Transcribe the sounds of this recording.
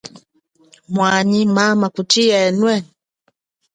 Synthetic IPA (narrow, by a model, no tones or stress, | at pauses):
mwaɲimamakutiɛnwɛ